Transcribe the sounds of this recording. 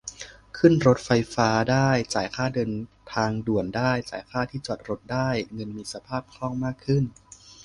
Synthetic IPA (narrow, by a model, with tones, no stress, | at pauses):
kʰɯ˥˩nɾo˦˥t̪̚fa˧jfaː˦˥daː˥˩jt͡ɕaː˩˦jkʰaː˥˩dɤː˧nt̪ʰaː˧ŋdu˨˩əndaː˥˩jt͡ɕa̰ː˩˦jkʰaː˥˩t̪ʰiː˥˩t͡ɕɔː˨˩t̪̚ɾo˦˥t̪̚daː˥˩jŋɤ˧nmiː˧sa˧pʰaː˥˩p̚kʰlɔ˥˩ŋmaː˥˩kʰːɯ˥˩n